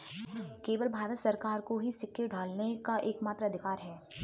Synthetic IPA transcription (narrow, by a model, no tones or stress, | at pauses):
keːʋəlbʱaːɾət̪sɐɾkaːɾkoɦisɪkʰːeɖʱaːlnekaʔeːkmaːt̪ɾaɐd̪ʱɪkaːɾɦɛː